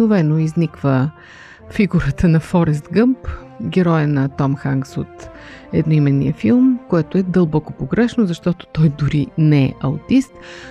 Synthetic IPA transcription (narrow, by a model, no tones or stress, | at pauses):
ʊvɛnoiznikvə | fiɡuɾət̪ənɐfɔɾɛst̪ɡɤmp | ɡʲɛɾɔjənɐt̪ɔmxaŋɡsot̪ | ɛd̪noimɛnːḭəfilˠmkoɛt̪oɛd̪əlˠbɔkopoɡɾɛʃnozɐʃt̪ɔt̪o̥t̪ɔjd̪ʊɾinɛɛ̰ʔɐut̪ist̪